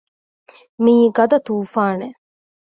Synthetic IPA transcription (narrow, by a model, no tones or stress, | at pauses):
miːɡɐd̪ɐt̪uːfaːne